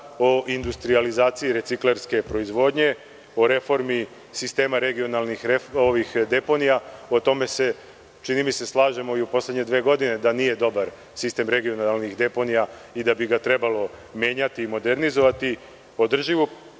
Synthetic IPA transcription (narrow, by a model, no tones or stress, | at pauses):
oʔind̪ust̪ɾializaːt̪siiɾe̞t̪sikle̞ɾske̞pɾo̞izʋo̞ːd̪ɲe̞ | o̞ɾe̞fo̞ɾmi | sist̪e̞ːmaɾe̞ɡio̞nalnixɾeo̞ʋixd̪e̞po̞nijao̞t̪o̞me̞se̞ | t͡ʃinimise̞slˠaːʒe̞mo̞iupo̞sle̞d̪ɲe̞d̪ʋeːɡo̞d̪ine̞d̪anije̞d̪o̞baɾ | sist̪e̞mɾe̞ɡio̞nalˠnixd̪e̞po̞nijaid̪abiɡat̪ɾe̞balo̞mje̞ːɲat̪iːmo̞d̪eɾnizo̞ʋat̪i | o̞d̪r̩ʒiʋu